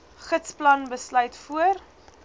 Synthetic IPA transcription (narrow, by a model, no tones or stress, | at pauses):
χətsplɐnbəslœɥtfuər